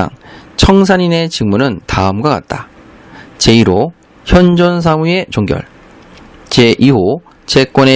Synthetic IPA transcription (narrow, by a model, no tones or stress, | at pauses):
a̰ŋt͡ɕʰʌŋs̬ʰaɲine̞t͡ɕiŋmunɯntaɯmɡwaka̰t̚t͈a | t͡ɕe̞iɾo | çjʌnd͡ʑʌns̬ʰamue̞t͡ɕoŋɡjʌ̰ɭ | t͡ɕe̞ʔiho | t͡ɕe̞k͈wʌne